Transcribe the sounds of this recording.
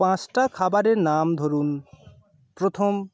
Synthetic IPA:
pãsʈakʰabaɾeɾnamd̪ʱoɾun | pɾot̪ʰom

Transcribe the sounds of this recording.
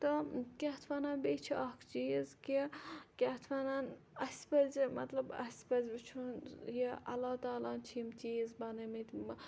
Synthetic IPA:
t̪ɐkʲet̪ʰʋɐnaːnbeːt͡ʃʰiʔɐkʰt͡ʃiːzkikʲet̪ʰʋɐnan | ɐsʲpɐzmɐt̪lɐbɐ̰sʲpɐzʲbɨt͡ʃʰunjiʔɐ̰lːaːt̪aːlaːnt͡ʃʰimt͡ʃiːzbɐnɐmit̪

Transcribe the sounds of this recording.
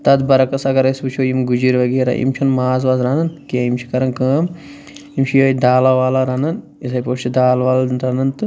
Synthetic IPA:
t̪ɐd̪bɐɾɐkɐsɐɡɐɾɐsbut͡ʃʰujimɡud͡ʒiɾʋɐɡeːɾa̰ʔḭmt͡ʃʰunmaːzʋazɾanɐnkiɐimt͡ʃʰi̥kɐɾɐnkəːm | imt͡ʃʰijoːid̪aːlaʋaːlaːɾaːnɐn | isɐjpoːʃt͡ʃid̪aːlʋaːlnt̪ɾɐːnɐnt̪ɨ

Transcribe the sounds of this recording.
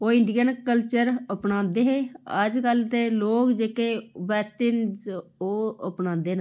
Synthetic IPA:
oːɪɳɖiɡənkəlt͡ʃəɾəpnãːd̪eːɦeːə̰d͡ʒkəlt̪eːloːkd͡ʒeːkeːʋɛːsʈɪnzoːəpnãːd̪eːna

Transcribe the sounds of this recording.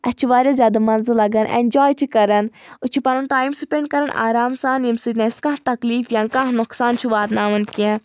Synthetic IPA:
ɐt͡ʃʰiʋaːɾʲjazʲjaːd̪amɐnzɨlɐɡɐnʔḛːnʲd͡ʒaːjt͡ʃʰikɐɾɐnʊt͡ʃʰipɐnɐnʈaːjmsupeɳɖkɐɾəna̰ːɾaːmsaːnjimsit̪nẽskãt̪ɐkliːfjãːŋkãɦnʊksaːnt͡ʃʰuʋaːt̪naːʋɐnkiã

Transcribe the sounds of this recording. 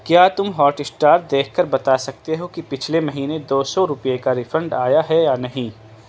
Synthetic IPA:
kjaːt̪ʊmɦɔːʈɪsʈaːɾ̚d̪eːkʰkːɐɾbɐt̪asɐk̚t̪eɦokipɪt͡ʃʰlemɐɦiːned̪oːsɔɾʊpjekaɾɪfə̃ɳɖaːjaɦɛjanɐɦĩː

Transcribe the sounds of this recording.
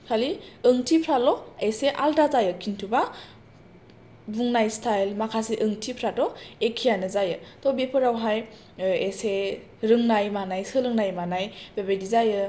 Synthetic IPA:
kʰaliɯŋtʰipʰɾalɔeseʔaldazajɯkʰintʰuba | buŋnajstʰajlmakʰasiʔɯŋtʰipʰɾatɔekʰijanɯzajɯtɔbepʰɯɾawɦaj | ese | ɾɯŋnajmanajsɯlɯŋnajmanajbebajdizajɯ

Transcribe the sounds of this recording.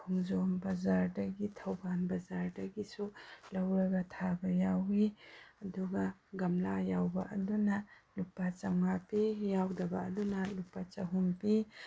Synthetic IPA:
kʰuŋzombɐzaɾdɐɡitʰɐwbanbɐzaɾdɐɡisulɐwɾɐɡɐtʰabɐjawiɐduɡɐɡɐmlajawbɐ̰ʔɐdunɐlupːat͡ʃɐwŋapijawdɐbɐɐdunɐlupːat͡ʃɐɦumpi

